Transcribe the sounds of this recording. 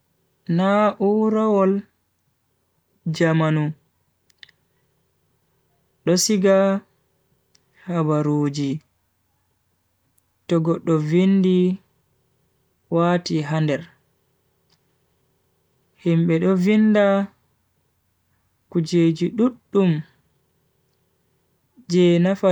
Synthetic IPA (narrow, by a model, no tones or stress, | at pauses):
naʔuɾawɔl | d͡ʒamanu | ɗɔsiɡa | habaɾoːd͡ʒi | tɔɡɔɗːɔvindi | waːtiɦandɛɾ | himɓɛɗɔvinːda | kud͡ʒeːd͡ʒiɗuɗːum | d͡ʒɛnafa